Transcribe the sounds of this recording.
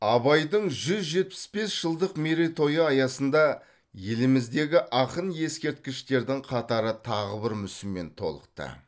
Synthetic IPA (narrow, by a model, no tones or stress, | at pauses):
ɑbɑjd̪əɴʒʏzʒe̞t̪̚pɪ̥sbe̞sʒ̥əlˠd̪əqmeɾet̪ʰo̞jəɑjɑsənd̪ɑ | je̞lɪmɪzd̪e̞ɡʲɪʔɑqənje̞skʲe̞ɾt̪̚kʲɪʃt̪e̞ɾd̪ɪŋqʰɑt̪ɑɾət̪ʰɑʁəbɪɾmʏsɪmme̞̰nt̪ʰo̞̰lˠə̰q̚t̪ə̰